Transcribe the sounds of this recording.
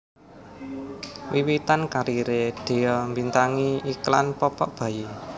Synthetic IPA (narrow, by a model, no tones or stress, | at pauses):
wiwit̪ankaɾiɾeɖ̥e̤jɔmbint̪aŋiiklanpɔpɔʔb̥ä̤je